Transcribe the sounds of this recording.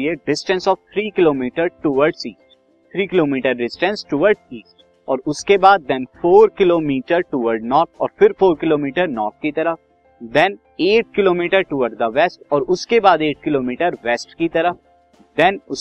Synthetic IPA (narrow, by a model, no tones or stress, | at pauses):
ieɖɪsʈə̃nsɔːʋt̪ʰɾiːkɪloːmiːʈəɾʈʊʋəɾɖsiːsʈ | t̪ʰɾiːkɪloːmiːʈəɾɖɪsʈɛ̃nsʈʊʋəɾɖziːsʈ | ɔːɾʊskebaːd̪̚ːɛ̃nfoːɾkɪloːmiːʈəɾʈʊʋəɾɖnɔːɾt̪ʰɔ̰ːɾfɪɾfoːɾkɪloːmiːʈəɾnɔːɾt̪̚ʰkit̪ɐɾəf | d̪ɛ̃n | eːʈ̚kɪloːmiːʈəɾʈʊʋəɾɖd̪əʋɛsʈɔːɾʊskebaːd̪eːʈ̚kɪloːmiːʈəɾʋɛsʈkit̪ɐɾəf | d̪ɛ̃nʊ